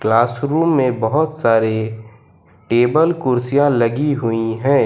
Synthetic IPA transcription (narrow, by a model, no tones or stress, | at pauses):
klaːsɾuːmːẽbəɦʊt̪saːɾe | ʈeːbəlkʊɾsijãlɐɡiɦʊiɦɛ̃ː